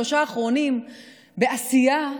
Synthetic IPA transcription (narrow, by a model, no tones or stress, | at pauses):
o̞ʃaːχʁo̞nim | be̞asija